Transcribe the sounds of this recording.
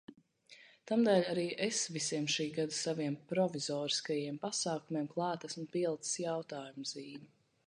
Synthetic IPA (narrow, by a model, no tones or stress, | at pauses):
t̪amd̪ɛːlʲaɾiːʔesvisiɛmʃiːɡad̪asaviɛmpɾɔvizɔːɾi̥skajiɛmpasaːkumiɛmklˠɑːt̪æsmupilˠt̪sjawt̪aːjumz̥iːmi